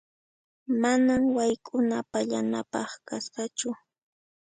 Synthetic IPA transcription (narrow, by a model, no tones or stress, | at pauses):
manamwajkʼʊnapaʎanapɑχkasɢat͡ʃʊ